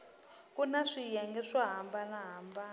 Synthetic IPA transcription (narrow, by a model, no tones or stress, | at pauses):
kunaʂijɛŋɡɛʂaɦambanaɦamba